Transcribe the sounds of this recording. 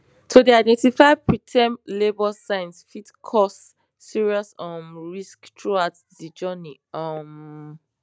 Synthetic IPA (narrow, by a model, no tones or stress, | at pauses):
tʰodiaɪdɛ̃ntifaɪpʰɹitʰɛ̃mlebɔsãɪ̃nsfitkʰɔsː | iɹiɔsɔ̃mɹisktʰɹuaʊt | did͡ʒɜniʌm